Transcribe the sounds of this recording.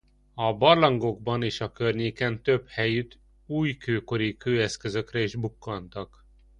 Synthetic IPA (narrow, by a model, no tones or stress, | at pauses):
ɒbɒrlɒŋɡo̞ɡbɒniːʃɒkørɲeːkɛnt̪ø̞bhɛjyt̪ | uːjkøːko̞ɾikøːɛskø̞zø̞krɛiʒbukːɒnt̪ɒk